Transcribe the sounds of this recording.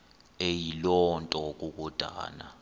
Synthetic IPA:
ejilɔntʼɔk̬uk̬ʼɔd̥ʱa̰ːna̰

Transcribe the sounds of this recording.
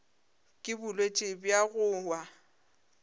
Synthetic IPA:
kʼɪbʊlwet͡ʃʼɪbjaɣʊːwa

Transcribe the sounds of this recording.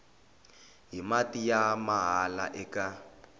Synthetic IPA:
ɦimatijamaɦala̰ʔɛka

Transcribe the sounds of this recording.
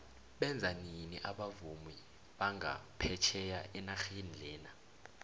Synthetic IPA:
ɓɛnd͡zʱaniniʔaɓavumwi | ɓaŋa̰pʰɛt͡ʃʰɛjaɛnaxinilɛːna

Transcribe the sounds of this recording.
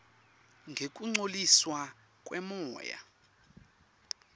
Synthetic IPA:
ŋɡʱek̬ʼuŋ͡ǀoliswa | kʼwɛmɔːja̰

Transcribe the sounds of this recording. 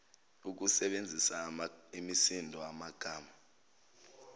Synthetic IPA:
uk̬usɛɓend͡zʱisaimisindʱɔamaɡ̥ʱaːma

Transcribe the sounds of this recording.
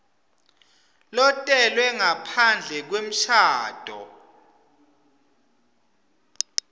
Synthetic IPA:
lɔtʼɛlwɛŋapʰand͡ɮʱɛk̬wem̩ʃʰaːd̥ʱɔ̰

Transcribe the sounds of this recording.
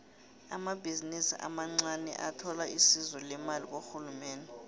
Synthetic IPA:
a̰mabʱizinisḭʔa̰maŋ͡ǀanɛ̰ʔatʰɔlaisizɔlɛmalik̬oxulumɛːndɛ

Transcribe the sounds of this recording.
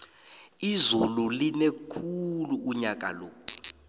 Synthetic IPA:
izululinekʰuluːɲak̬a̰loː

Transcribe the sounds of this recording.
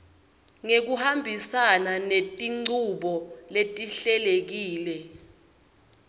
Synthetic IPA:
ŋek̬uhambʱisananetʼiŋ͡ǀuɓɔletʼiɬɛlek̬iːlɛ

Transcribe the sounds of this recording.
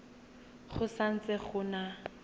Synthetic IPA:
χʊsan̩t͡sɛχʊːna

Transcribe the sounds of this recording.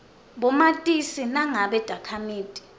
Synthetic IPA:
ɓɔmatʼisinaŋaɓɛd̥ʱakʰamiːtʼi̥

